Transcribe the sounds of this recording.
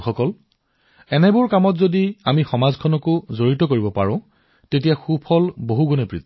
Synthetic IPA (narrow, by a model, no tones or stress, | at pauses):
xɔkɔl | ɛnɛbʊɹkamɔtzodiamixɔmazkʰɔnɔkʊzoɹitɔkoɹibɔpa̰ɹʊ̃ | tet̬ijaxupʰɔlboɦuɡunɔpɹit̪